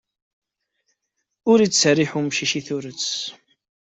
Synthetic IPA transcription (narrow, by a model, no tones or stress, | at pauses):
ʊɾit͡sːsəriħumʃiʃiθʊɾət͡sː